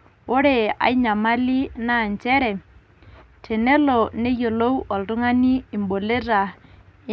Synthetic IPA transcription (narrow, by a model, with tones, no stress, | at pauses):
o˦ɾe˦˨a̰˨ɪ˦ɲa˨ma˦li˦na˦˨nt͡ʃɛ˦ɾɛ˨ | tʰe˨nɛ˦lɔ˨ne˦jo˨lo˦wʔɔ˨ltʊ˦ŋa˦niː˦˨mbo˨le˦ra˨